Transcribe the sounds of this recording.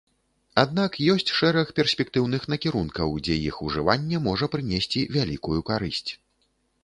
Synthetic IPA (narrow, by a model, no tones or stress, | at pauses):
ad̪̚nakjɔsʲt͡sʲʂɛɾɐxpʲɛrsʲpʲɛk̚t̪ɨwn̪ɨxnɐkʲiɾunkɐwd͡zʲɛjixuʐɨvanʲːɛmɔʐɐpɾɨnʲesʲt͡sʲivʲalʲikujukaɾɨsʲt͡sʲ